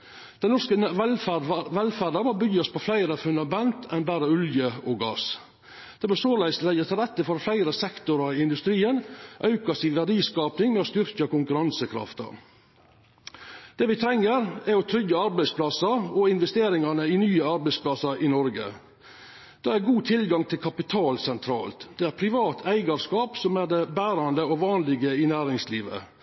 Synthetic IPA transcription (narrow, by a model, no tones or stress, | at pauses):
d̪̥ɛnnɔskəɛæʋɛlfæɖɑmɔbʏɡɔspʰɔflæɪɾəfʉnd̪ɑmɛnt̪ɛnbæːɾəʉljəɔɡɑ̰ːs | d̪̥ɛbəsoːlæɪslɛjət̪ʰɪlɾɛt̪ːəfɔɾflæɪɾəsɛkt̪ʊɾɑɪɪnd̪ʉst̪ɾiːənʔɑʉkɑsɪʋæɖiːskɑːpnɪŋmɛɔst̪ʏɾkəkʊŋkʉɾɑnsəkʰɾɑ̰ft̪ɑ̰ | d̪̥eːʋɪt̪ʰɾɛŋːəɾæɾɔt̪ʰɾʏɡəɑɾbæɪspʰlɑsɑɾɔɪnʋɛst̪eːɾɪŋɑnəɪnyːəɑɾbæɪspʰlɑsɑɾʔɪnɔɾɡə̰ | d̪̥ɑːæɾɡuːt̪ʰɪlɡɑŋt̪ʰɪlkʰɑpɪt̪ʰɑːlsɛnt̪ʰɾɑ̰ːlt̪d̪̥ɛæːɾpʰɾɪʋɑːt̪ʰæɪɡɑɾskɑːpsɔmæd̪ɛbæːɾɑnd̪əɔʋɑːnlɪɡəɪnæːɾɪŋsliːʋə̰